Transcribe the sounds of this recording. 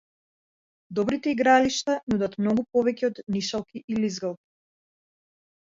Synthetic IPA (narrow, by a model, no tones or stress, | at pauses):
d̪ɔbɾit̪ɛiɡɾaliʃt̪anud̪at̪mnɔɡupɔvɛcɛɔd̪niʃalˠkiʔilizɡalˠki̥